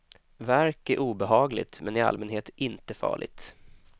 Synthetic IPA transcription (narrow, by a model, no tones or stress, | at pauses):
væɾkæʔuːbɛɦɑːɡlɪ̰t̪mɛnɪa̰lmɛnɦeːt̪ɪnt̪əfɑ̰ːɭɪ̰ɡ̚t̪